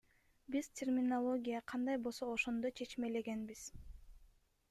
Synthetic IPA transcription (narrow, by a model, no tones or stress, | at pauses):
biz̥tʲermʲɪnolˠo̞ɡʲijɑqʰɑnd̪ɑjbo̞lˠsooʃo̞nd̪ojt͡ʃʰe̞t͡ʃme̞le̞ɡe̞nbiz̥